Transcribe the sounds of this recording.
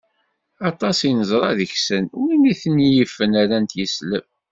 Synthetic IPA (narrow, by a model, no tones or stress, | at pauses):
ɑt̪ˤɑsinəzˤɾˤɑðəçsənʊɾiniθənijəfːənaɾænt̪jəsləv